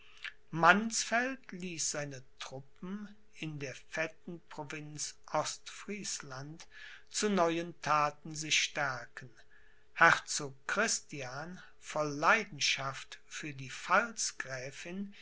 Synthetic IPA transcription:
mansfɛltliːsz̥aɪnətʁ̥ʊpm̩ | ɪndeːɐfɛtn̩pʁ̥ovɪnsʔɔstfʁ̥iːslant | t͡sunɔʏəntʰaːtn̩zɪçʃtɛɐkən | hɛʁt͡soːkkʁ̥ɪstjaːn | fɔlːaɪdn̩ʃaftfyːɐdiːfalsɡ̥ʁɛːfɪn

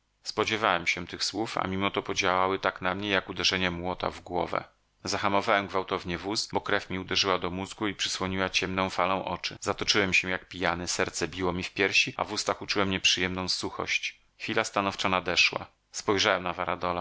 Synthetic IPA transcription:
spɔd͡ʑɛvawɛmɕɛt̪ɘxswufa̰mʲimɔt̪ɔpɔd͡ʑawawɘt̪aknamɲɛjakud̪ɛʐɛɲɛmwɔt̪a̰vɡwɔvɛ̰ | zaxamɔvawɛmɡvawt̪ɔvɲɛvusbɔkɾɛfmʲiud̪ɛʐɘwad̪ɔmuzɡuipʂɘ̥swɔɲiwat͡ɕɛmnɔ̃w̃falɔ̃w̃ʔɔ̰t͡ʂɘzat̪ɔt͡ʂɘwɛmɕɛjak̚pʲijanɛsɛɾt̪sɛbʲiwɔmʲifpʲjɛɾɕia̰vust̪axut͡ʂuwɛmɲɛpʂɘjɛmnɔ̃w̃suxɔ̰ɕt͡ɕ | xfʲilast̪anɔft͡ʂanad̪ɛʂwa̰ | spɔjʐawɛmnavaɾad̪ɔla

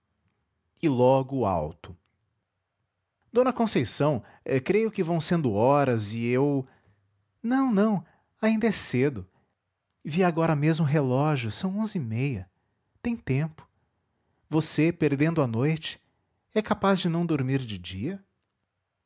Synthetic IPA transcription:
ɪlɔɡʊa̰wt̪ʊ̥ | d̪̥õnɐkõsejsɐ̃w̃ | ɛkɾejʊkɪvɐ̃w̃sẽnd̪ʊɔɾɐzɪew | nɐ̃w̃nɐ̃w̃ | aĩnd̪ɐɛsed̪ʊ | viaɡɔɾɐmezmʊɦelɔʒjʊsɐ̃w̃õzɪimejɐ | t̪ẽj̃t̪ẽmpʊ̥ | vosepeɾd̪ẽnd̪ʊɐnojt͡ʃɪ̥ | ɛkapazd͡ʒɪnɐ̃w̃d̪oɾmiɾd͡ʒɪd͡ʒiɐ

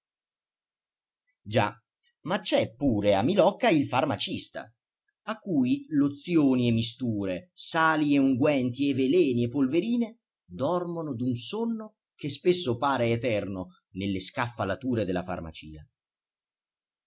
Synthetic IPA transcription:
d͡ʒa̰ | mat͡ʃːɛpːuːɾeamːilɔkːailfarmat͡ʃist̪a̰ | akːuːjlot̪sːjoːniemːist̪uːɾesaːlieuŋɡwɛnt̪ievelɛːniepːolveɾiːne | d̪ɔrmonod̪unsonːo | k̟espesːopaːɾeːt̪ɛrno | nelːeskafːalat̪uːɾed̪elafa̰rma̰t͡ʃḭːa

